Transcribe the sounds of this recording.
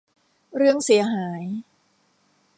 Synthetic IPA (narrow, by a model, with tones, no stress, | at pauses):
ɾɯ˥˩əŋsi˩˦ɐɦaː˩˦j